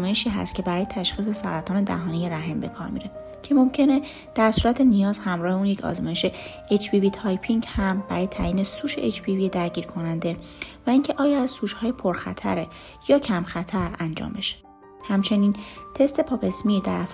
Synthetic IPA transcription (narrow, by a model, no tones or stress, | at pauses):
mɒːjeʃiːɦæ̰st̪̚cʰe̞bæɾɒːjet̪ʰæʃχiːse̞sɒɾæt̪ʰɒːne̞d̪æ̰ɦɒːnijeɾæɦembe̞kʰɒ̰ːɾmḭɾe | cʰe̞momcʰe̞ne̞ | d̪̥æɾsuːɾæt̪ʰenijɒːzhæmɾɒːhe̞uːnjecʰɒ̰ːzmɒːje̞ʃe̞ | et͡ʃʰbivit̪ʰɒːjpʰiŋɟhæmbæɾɒːje̞t̪ʰæːjiːne̞suːʃeʔet͡ʃbivied̪æɾɟiːɾkʰo̞nænd̪e̞væiːŋcʰe̞ʔɒːjɒæzsuːʃhɒːjepʰoɾxæ̰t̪ʰæ̰ɾe | jɒːcʰæmxæt̪ʰæɾænd͡ʒɒ̰ːmbe̞ʃe̥ | hæmt͡ʃʰe̞niːnt̪ʰe̞st̪e̞pʰɒːpʰe̞smiːɾd̪æɾæf